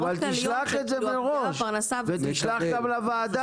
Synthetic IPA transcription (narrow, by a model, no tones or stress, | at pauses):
valt̪ilaχe̞t̪zemeʁoʃʁnasavet̪iʃlaχɡ̪ablavaːd̪a